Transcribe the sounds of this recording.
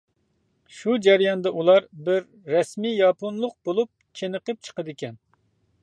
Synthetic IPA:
ʃud͡ʒæɾjɑnd̪ɑʔulˠɑɾbɪɾːɛsmijɑponlˠʊq̚b̥olˠup̚t͡ʃʰenəqəp̚t͡ʃʰə̥qəd̪ɪkʲɛn

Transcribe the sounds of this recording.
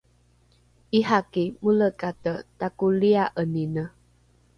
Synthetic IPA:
ʔiɦakimuləkat̪ət̪akuliaʔəninə

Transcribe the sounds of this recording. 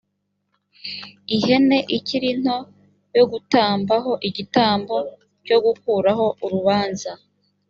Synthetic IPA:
iɦe̞ne̞ʔiciɾin̥ho̞ | jo̞ɡutaːmbaɦo̞ʔiɟitaːmbo̞ | co̞ɡukuːɾaɦo̞ʔuɾuβaːnza

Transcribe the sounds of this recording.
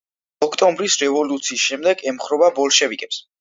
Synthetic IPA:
ɔkʰt̪ʼɔmbɾisɾɛvɔlut̪sʰiːsʃɛmd̪ɛɡɛmχɾɔbabɔlˠʃɛvikʼɛps

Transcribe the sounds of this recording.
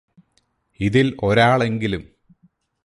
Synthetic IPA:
iðiloɾaːɭe̞ŋɡilum

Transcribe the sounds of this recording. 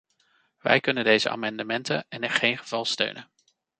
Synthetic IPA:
ʋɛ̰jkɵnəndejzəʔa̰ːmɑndəmɛntənɛnɪχejnχəv̥ɑlˠstø̰ɥnən

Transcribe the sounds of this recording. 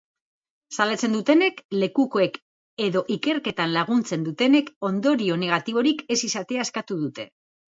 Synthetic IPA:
salat͡se̞nd̪ut̪e̞ne̞kle̞kuko̞e̞k | e̞ðo̞ʔike̞ɾke̞t̪anlaɣ̞unt͡se̞nd̪ut̪e̞ne̞ko̞nd̪o̞ɾio̞ne̞ɣ̞at̪iβ̞o̞ɾike̞sisat̪e̞ae̞skat̪uðut̪e̞

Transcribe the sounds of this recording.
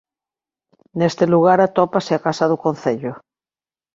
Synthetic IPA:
nest̪eluɣaɾat̪opaseakasaðukõn̟θeʎo

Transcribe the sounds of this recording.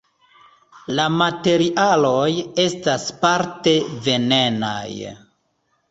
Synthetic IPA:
lamate̞ɾiʔalo̞je̞staspaɾte̞ve̞ne̞na̰j

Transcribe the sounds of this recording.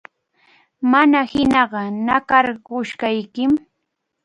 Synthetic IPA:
manahɪnɑɢɑnakɑɾɢʊʃkajkɪm

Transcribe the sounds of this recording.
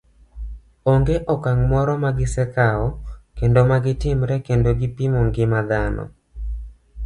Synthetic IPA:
oŋɡeʔɔkaŋmɔɾɔmaɡɪsɛkaɔkendomaɡɪtɪmɾɛkendoɡɪpimoŋɡɪmad̪anɔ̰

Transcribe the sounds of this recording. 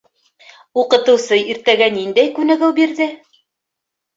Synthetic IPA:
uqɤ̆t̪ɤ̆wsɤiɾt̪æɡænind̪æjkʉnæɡɘwbiɾðɘ

